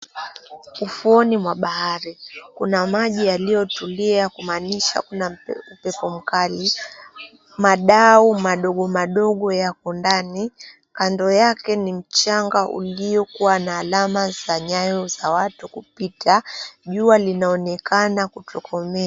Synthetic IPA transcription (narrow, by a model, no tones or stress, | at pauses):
ufuɔnimwaɓahaɾikunamaʄijalijɔtuliakumaniʃa̰kunam̩pɛpɔm̩kali | maɗaumaɗɔɠɔmaɗɔɠɔjakɔndani | kandɔjakɛnim̩t͡ʃaŋɡaʔṵlijɔkuwanaːlamaz̥aɲajɔzawatukupitʰaʄualinaɔnɛkanakutʰɔkɔmɛ